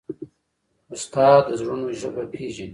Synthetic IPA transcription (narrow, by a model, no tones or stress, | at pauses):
ʊst̪ɑːd̪əzɾunoʒəbapʰeːʒini